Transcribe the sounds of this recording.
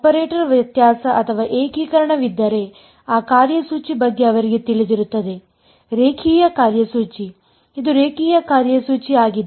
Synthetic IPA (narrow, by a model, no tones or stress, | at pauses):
ɐpɐɾeːʈɐɾʋɐt̪jaːsɐʔɐt̪ʰɐʋaːʔeːkiːkɐɾɐɳɐʋid̪ːɐɾe | aːkaːɾjɐsuːt͡ʃibɐɡːe̞ɐʋɐɾiɡe̞t̪iɭid̪iɾut̪ːɐd̪e̞ | ɾeːkʰiːjɐkaːɾjɐsuːt͡ʃi | id̪uɾeːkʰiːjɐkaːɾjɐsuːt͡ʃiaːɡid̪